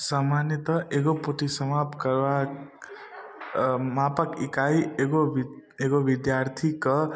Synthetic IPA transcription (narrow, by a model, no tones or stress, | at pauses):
samanjʌt̪ʌʔeɡopoʈisʌmapkʌɾwa | mapʌkikajeɡo | eɡobid̪jart̪ʰikʌ